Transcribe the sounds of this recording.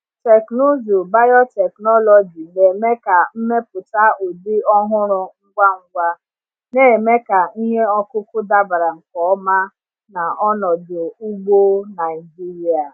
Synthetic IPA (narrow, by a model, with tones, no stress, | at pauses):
te˨kno˦zo˨ba˦jɔ˦te˨knɔ˦lɔ˨d͡ʒi˨ne˨me˦ka˨m̩˦me˦p̚ʊ˨ta˦o˨dɪ˦ɔ˦ɦʊ˦ɾʊ˦ŋ̩˦ɡʷa˦ŋ̩˦ɡʷa˦ | ne˨me˦ka˨i˦ɲe˦ɔ˦kʊ˦kʊ˦da˦ba˨ɾa˨ŋ̩˨kɔ˦ɔ˦ma˦ | na˨ɔ˦nɔ˨dʊ˨u˦ɡ͡bo˦na˨i˨d͡ʒi˦ɾi˦a˨